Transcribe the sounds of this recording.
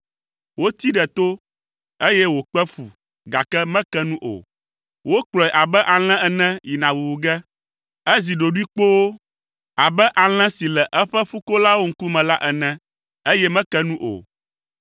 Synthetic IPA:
wo˦t̪i˦ɖɛ˨t̪o˦ | e˦jɛ˦wo˨k͡pɛ˦fu˨ | ɡa˨kɛ˦mɛ̃˦kɛ˦nũ˦ʔo̰˨ | wo˦k͡plɔ˨ɛ˨ʔa˨bɛ˦ʔa˨l̃ɛ̃˦ɛ˨nɛ̃˦ji˨nã˨wu˨wu˨ɡɛ˦ | ɛ˦zi˨ɖo˨ɖu˦i˦k͡po˦wo˦ | a˨bɛ˦ʔa˨l̃ɛ̃˦si˨lɛ˨ʔɛ˦ɸɛ˦fu˦ko˦la˦wo˦ŋ̩˦ku˦mɛ̃˨la˦ʔɛ˨nɛ̃˦ | e˦jɛ˦mɛ̃˦kɛ˦nũ˦ʔo̰˨

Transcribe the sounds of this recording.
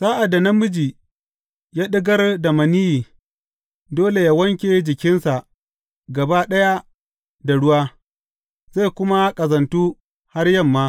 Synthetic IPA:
saː˦ʔa˨dːa˨nɐ˦mʊ˦d͡ʒi˨ | jaː˦ɗɪ˦ɡɐ˦rda˨mɐ˨ni˦ji˨ | doː˦le˨jaː˦wɐ˦ŋkʲeː˨d͡ʒɪ˨kʲɪ˦nsa˨ʔ | ɡɐ˨ba˦ɗɐ˦ja˦ | da˨ɽʊ˦waː˦ | za˦˨jkʷʊ˦ma˦kʼɐ˨zɐ˨ntuː˦ | ha˦rjɐ˦˨mːaː˦

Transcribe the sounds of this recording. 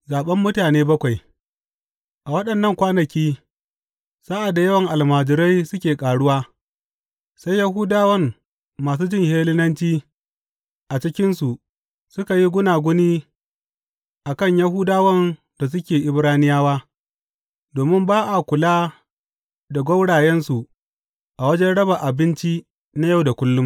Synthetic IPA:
zaː˨ɓɐ˦mːʊ˦taː˨neː˦bɐ˦kʷa˨j | ʔa˨wɐ˦ɗɐ˨nːɐ˦˨ŋkʷaː˦nɐ˨kʲiː˦ | sa˦ʔa˨da˨jɐ˦wɐ˨ŋʔa˨lmaː˨d͡ʒɪ˨ɾa˦jsʊ˦kʲeː˨kʼaː˨ɽʊ˦waː˦ | sa˦jja˦ɦʊː˦daː˦wɐ˦mː | aː˨s̬uː˦d͡ʒɪ˦˨ŋheː˦lɪ˦nɐ˦nt͡ʃiː˦ | ʔa˨t͡ʃɪ˦kʲɪ˦nsu˨ʔ | sʊ˦ka˨ji˦ɡʷʊ˦naː˨ɡʷʊ˦niː˦ | ʔa˨kɐ˦˨ɲja˦ɦʊː˦daː˦wɐ˦n | da˨s̬ʊ˦kʲeː˨ʔɪ˦bɾaː˦nɪ˦jaː˦waː˦ | doː˨mɪ˦mbaː˦ʔa˨kʷʊ˨laː˦ | da˨ɡʷɐ˦wɽaː˨jɛ˦nsu˨ | ʔa˨wɐ˦d͡ʒɛ˦nɽɐ˦ba˨ʔa˨bɪ˦nt͡ʃi˦ | na˦ja˦˨wda˨kʷʊ˦lːʊ˦m

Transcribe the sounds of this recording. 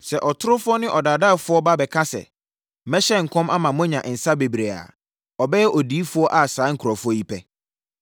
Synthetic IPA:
sɛ˨ʔɔ˨tʰʊ˦ɾʊ˦fʊ˦ɔ˦nɪ̃˦ʔɔ˨daː˨da˦˨fʊ˦ɔ˦ba˦bɛ˨kʰã˦sɛ̰˨˦ | mɛ˦ɕɛ˦˨ŋ̩˨kʰɔ̃˦ma˦mã˨mʊ̃˦ɲã˨ʔn̩˨sa˦be˨bɾe˨a̰˨ | ɔ˨bɛ˦jɛ˦ʔɔ˨diː˦fʊ˦ɔ˦ʔa˨saː˨˦ŋ̩˨kʰʊ˨ɾɔ˨fʊ˦ɔ˦ji˦pʰɛ˦

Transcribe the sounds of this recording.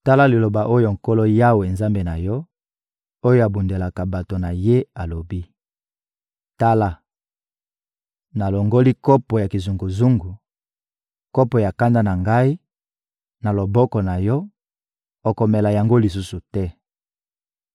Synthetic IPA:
ta˦la˦li˨lo˨ba˨ʔo˦jo˨ŋ̩˨ko˦lɔ˦ja˦we˨nza˦mbe˨na˨jɔ˦ | o˦jo˦a˨bu˨nde˨la˨ka˨ba˨to˨na˨je˦a˨lo˨bi˦ | ta˦la˦ | na˨lo˨ŋɡo˦li˦kɔ˦pɔ˨ja˨ki˨zu˨ŋɡu˨zu˦ŋɡu˨ | kɔ˦pɔ˨ja˨ka˦nda˦na˨ŋɡa˦i˦ | na˨lo˨bɔ˦kɔ˨na˨jɔ˦ | o˨ko˨mɛ˨la˨ja˨ŋɡo˦li˨s̬u˦su˨tɛ˦

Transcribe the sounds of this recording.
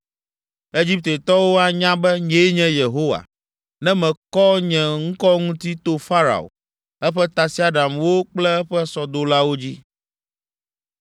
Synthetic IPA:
e˦d͡ʑi˦p̚t̪e˨t̪ɔ˦wo˦a˦ɲã˦bɛ˦ɲẽ˨˦ɲɛ̃˦je˨ɦo˦wa̰˨ | nɛ̃˦mɛ̃˨kɔ˦ɲɛ̃˨ŋ̩˦kɔ˦ŋũ˦t̪i˦t̪o˦fa˦ɾa̰˨o̰˨ | ɛ˦ɸɛ˦t̪a˨si˨˦a˦ɖa˨mwo˦k͡plɛ˦ɛ˦ɸɛ˦sɔ˨d̪o˦la˦wo˦d͡ʑi˦

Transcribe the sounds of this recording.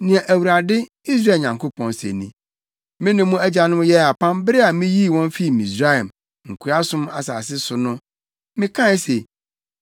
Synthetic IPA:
nɪ̃˨ã˨ʔæ˨wu˨ɾa˨dɪ˦ | i˦s̬ɾa˦e˨ɲã˨ŋko˦pʰɔ̃˨nsḛ˨nḭ̃˦ | mɪ̃˦nɪ̃˨mũ˦æ˦d͡ʑa˨nʊ̃˦m˦jɛ˦a˨pʰã˦mbɪ˦ɾɪ˦a˨mɪ̃˦ji˦˨wɔ̃˦nfi˦˨mi˨sɾa˦ɛ˨m | ŋ̩˨kʰu˨ɾa˦sʊ̃˦ma˨saː˨s̬ɪ˦sʊ˨nʊ̃˦ | mɪ̃˦kʰã˦se˨

